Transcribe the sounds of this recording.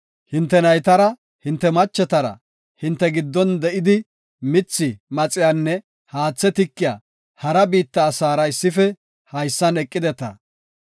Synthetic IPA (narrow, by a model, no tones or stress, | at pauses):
hɪnt̪ːɛnɐjt̪ɐɾɐ | hɪnt̪ːɛmɐt͡ʃːɛt̪ɐɾɐ̰ | hɪnt̪ːɛɡɪd̪ːɔnd̪ɛʔɪd̪ɪ | mɪt͡sːɪmɐt͡sʼɪjaːnːɛ | haːt͡sːɛt̪ɪkːɪja̰ː | hɐɾɐbiːt̪ːɐːsaːɾɐɪsːɪfɛ | hɐjsːɐnɛkʼːɪd̪ɛt̪ɐ̰